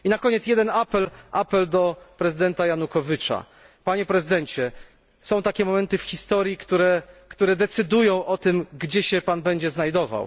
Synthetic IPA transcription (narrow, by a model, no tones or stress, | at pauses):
inakɔɲɛt̪sjɛd̪ɛnapɛlʔapɛld̪ɔpɾɛzɨd̪ɛnt̪ajanukɔvʲɘt͡ʂa̰ | paɲɛpɾɛzɘd̪ɛɲt͡ɕɛ | sɔ̃w̃t̪akʲɛmɔmɛnt̪ɘfxʲist̪ɔɾʲjikt̪uɾɛkt̪uɾɛd̪ɛt̪sɘd̪ujɔ̃w̃ʔɔt̪ɘmɡd͡ʑɛɕɛpanbɛɲd͡ʑɛznajd̪ɔva̰w